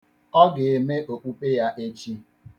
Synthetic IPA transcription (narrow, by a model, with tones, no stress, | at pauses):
ɔ˦ɡɪ˨e˨me˦ʔo˨k͡pu˦pe˦ja˦ʔe˦t͡ʃi˦